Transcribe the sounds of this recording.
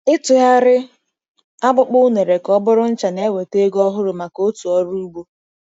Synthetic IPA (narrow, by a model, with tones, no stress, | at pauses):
ɪ˦tʊ˨ɦa˦ɾɪ˦ | a˦bʊ˦k͡pʊ˦ne˨ɾe˨kɔ˦bʊ˦ɾʊ˦n̩˦t͡ʃa˨ne˦we˨te˦ɡɔ˦ɦʊ˦ɾʊ˨ma˨ko˦tu˨ɔ˦ɾu˦ɡ͡bo˦